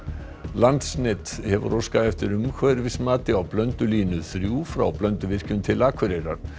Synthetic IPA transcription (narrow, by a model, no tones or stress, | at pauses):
lant̪snɛt̪hɛvʏ̰rowskaðɛft̪ɪɾʏmkʰvœːɾvɪsmaːt̪ɪawplœnt̪ʏliːnʏθɾjuːfɾa̰wplœnt̪ʏvɪr̥cʏnt̪ʰɪlaːkʰvʏɾejɾa̰ɾ̥